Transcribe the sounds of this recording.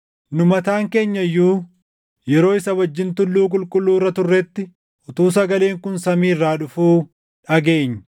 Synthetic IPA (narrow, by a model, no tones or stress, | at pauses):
nʊmɐt̪aːŋke̞ːɲːɐjːuː | jɛɾo̞ːɪsɐwɐd͡ʒːɪnt̪ʊlːuːk̬ʼʊlkʼʊlːuːrːɐt̪ʊrːɛt̪ːɪ | ʔɔt̪uːs̬ɐɡɐle̞ːŋkʊnsɐmiːrːaːᶑʊfuː | ᶑɐɡe̞ːɲːɐ̥